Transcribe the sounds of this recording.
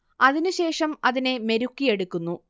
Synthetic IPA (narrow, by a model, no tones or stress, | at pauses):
ɐðinuɕe̞ːʂɐmɐðine̞me̞ɾukːije̞ɽukːunːu